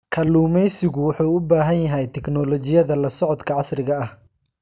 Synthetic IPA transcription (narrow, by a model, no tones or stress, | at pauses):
kʰɐluːmɛjsɪɣʊwʊħuːʊbaːɦɐnjɐɦɛjt̪ʰɛknɔːlɔt͡ʃɪjɐðɐlɐsɔʕɔd̪kʰɐʕɑsrɪɣɐɐh